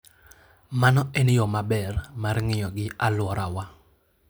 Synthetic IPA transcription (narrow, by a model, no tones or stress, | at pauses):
manɔʔɛnjɔmabɛrmarŋɪjɔɡɪalwɔɾawa